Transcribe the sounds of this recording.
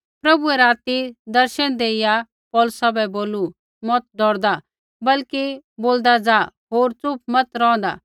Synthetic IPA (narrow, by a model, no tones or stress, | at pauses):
pɾɐbuɛɾaːt̪id̪ɐɾʃənd̪eːɪja | pɔːlʊsabɛboːlu | mɔt̪̚d̪ʱɔːɾd̪a | bɐlkiboːld̪ad͡zaɦoːɾt͡sʊp̚mɐt̪ɾɔ̃ːɔ̃nd̪a̰